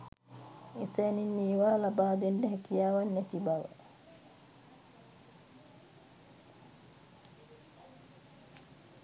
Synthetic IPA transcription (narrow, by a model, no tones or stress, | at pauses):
esəninːiːʋaːlabaːd̪enɖəɦɛkijaːʋanːɛt̪ibaʋə̰